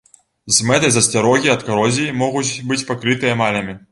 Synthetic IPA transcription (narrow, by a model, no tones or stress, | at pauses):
zʲmɛt̪ɐjzɐsʲtʲaɾɔɣʲiɐt̪kaɾɔzʲimɔɣut͡sʲbɨt͡sʲpakɾɨt̪ɨjɐmalʲɐmʲi